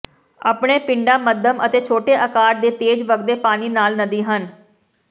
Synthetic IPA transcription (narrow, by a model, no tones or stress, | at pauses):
a̰ːpɳeːpɪɳɖaːməd̪əmət̪eːt͡ʃʰoːʈeːʔəkaːɖd̪eːt̪eːd͡ʒʋəɡd̪eːpaːniːnaːlnəd̪iːɦən